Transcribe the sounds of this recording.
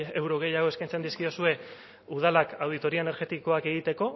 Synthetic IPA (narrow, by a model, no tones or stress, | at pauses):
ewɾo̞ɣ̞e̞jaɣ̞o̞e̞skajnt͡se̞nd̪iskiosue̞ | uð̞alakawð̞it̪o̞ɾioene̞ɾɣe̞t̪iko̞ake̞ɣ̞it̪e̞ko̞